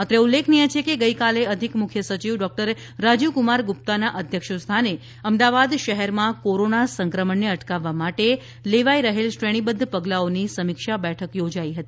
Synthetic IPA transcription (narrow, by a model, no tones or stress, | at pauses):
ət̪ɾeulːekʰnijet͡ʃʰekeɡəikaleəd̪ʱikmʊkʰjəsət͡ʃiʋɖɔk̚ʈəɾː | ad͡ʒukumaɾɡup̚t̪anaʔəd̪ʱjəkʃəst̪ʰane | əmd̪aʋad̪ʃəɦɛɾmãkoɾonasəŋkɾəməɳːeəʈkaʋːamaʈe | leʋaiɾəɦelsɾeɽ̃ibənd̪ʱpəɡlaonisəmikʃabɛʈʰəkjod͡ʒaiɦət̪i